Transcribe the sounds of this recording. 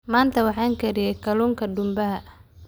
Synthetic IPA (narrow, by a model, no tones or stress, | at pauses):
maːnt̪ʰɐwɑħɑːŋkʰɛɾɪjɛjkʰɐluːŋkʰɐɖʊmbɐɦɐʔ